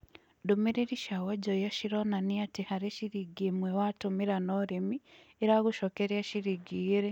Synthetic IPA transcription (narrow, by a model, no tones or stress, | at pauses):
dumiɾiɾiʃawaɟojaʃiɾonaniatihaɾeʃiɾiɡimwewatumiɾanoɾemi | eɾaɡuʃokeɾjaʃiɾiɡiːɾe